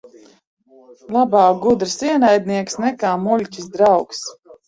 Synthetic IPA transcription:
lˠabaːɡud̪ɾɨsiɛnajd̪niɛksnɛkaːmulʲcʲisd̪ɾawks

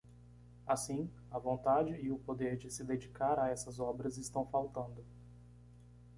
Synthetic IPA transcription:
asĩ | ɐvõnt̪ad͡ʒɪːʊpod̪eɾd͡ʒɪsɪd̪ed͡ʒikaɾaɛsɐzɔbɾɐzɪst̪ɐ̃w̃fawt̪ɐ̃nd̪ʊ

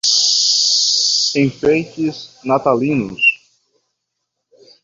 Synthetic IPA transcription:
ẽj̃fejt͡ʃɪznat̪alĩnʊ̰s

